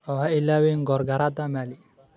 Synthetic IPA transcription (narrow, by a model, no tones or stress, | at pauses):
ɔɦailawiŋɡɔɾɡaɾad̪amali